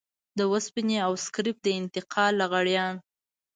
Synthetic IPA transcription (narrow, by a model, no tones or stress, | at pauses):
d̪əwaspineawskɾɪp̚d̪əɪnt̪ɪqʰɑlːaɣaɽjɑn